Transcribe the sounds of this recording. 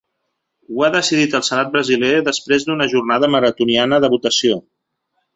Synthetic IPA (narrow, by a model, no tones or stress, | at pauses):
uaðəsiðit̪əlˠsənat̪̚bɾəzileðəspɾezd̪unəʒurnað̞əməɾət̪unianəðəβut̪əsio